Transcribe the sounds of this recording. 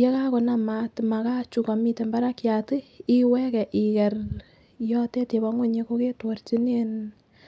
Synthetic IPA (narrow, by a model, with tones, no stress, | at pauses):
je˦ka˦kɔ˨na˦ma˨tma˨ka˦t͡ʃu˨ka˨mi˦te˨mba˦ɾa˦kjatɨ˦iwɛ˦kɛ˨ʔi˨kɛ˨r | jɔ˦te˦te˨ba˦ŋwo˦ɲe˦ko˦ke˦twɔ˨rt͡ʃi˦ne˦n